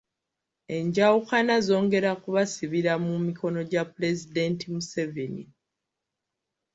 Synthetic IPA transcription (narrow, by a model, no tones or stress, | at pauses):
e̞ɲɟawukanazo̞ːŋɡe̞ɾakuβasiβiɾamumiko̞no̞ɟapule̞zide̞ntimuseve̞ni